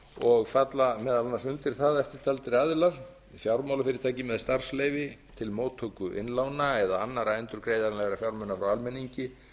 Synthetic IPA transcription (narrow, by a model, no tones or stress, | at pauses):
ɔɣfat̪lamɛːðalanasʏnt̪ɪɾ̥θaðɛft̪ɪɾ̥t̪ʰalt̪ɪɾɪaðlaɾ̥ | fjawɾmawlafɪːɾɪɾt̪ajcɪmɛðst̪ar̥slejvɪt̪ʰɪlmoːwt̪ʰːokʏʔɪ̰nlawnaɛðaanːaɾaɛnt̪ʏɾkɾeːjðaɾnlɛɣɾafjawɾmœnːafɾawalmɛnːiɲcɪ